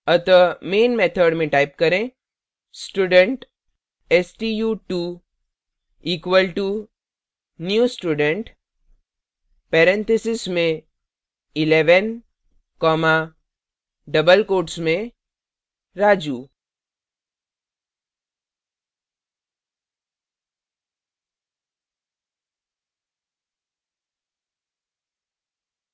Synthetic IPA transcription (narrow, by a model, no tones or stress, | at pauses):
ət̪əmeːnmeːt̪ʰəɖmẽʈaːɪp̚kɐɾẽ | sʈuːɖəɳʈ | ɛsʈijuːʈu | iːkwəlʈu | njuːsʈuːɖəɳʈ | pɛːɾɛ̃nt̪ʰesɪsmẽ | ɪleːʋən | kɔːma | ɖəbəlkoːʈsmẽ | ɾaːd͡ʒuː